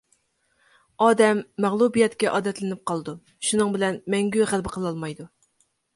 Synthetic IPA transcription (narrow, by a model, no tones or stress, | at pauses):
ɑːd̪ɛmːæʁlˠubijɛt̪kʲɛʔɑːd̪ɛt̪lɪnɪp̚qʰɑlˠd̪u | ʃunɨŋbɪlɛnmɛŋɡʲyχælbəqʰəlˠɑlˠmɑjd̪u